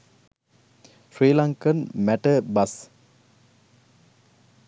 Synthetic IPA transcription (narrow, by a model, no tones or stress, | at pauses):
fɾiːlaŋkənmæʈəbɐs